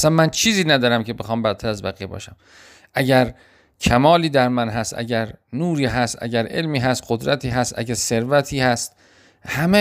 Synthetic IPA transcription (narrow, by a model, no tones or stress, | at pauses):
ʔæsænmænt͡ʃʰiːziːnæd̪ɒːɾæmkʰe̞bexɒːmbæɾt̪ʰæɾæzbæɣiːbɒ̰ːʃæm | ʔæɟæɾ | kʰæmɒːliːd̪æɾmænɦæst̪æ̰ɟæɾnuːɾiːɦæst̪æ̰ɟæɾe̞̰lmiːɦæst̪̚qod̪ɾæt̪ʰiːɦæst̪ʔæ̰ɟæɾse̞ɾvæt̪ʰiːhæst̪ | hæme